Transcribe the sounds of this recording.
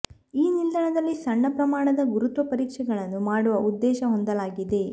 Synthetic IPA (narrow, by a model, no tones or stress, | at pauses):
iːnild̪ʱɐɳɐd̪ɐlːisɐɳːɐpɾɐmaːɳɐd̪ɐɡuɾut̪ʋɐpɐɾiːkʂɛɡɐɭɐnːumaːɽuʋɐʔud̪ːɛːʃɐɦond̪ɐlaːɡid̪e̞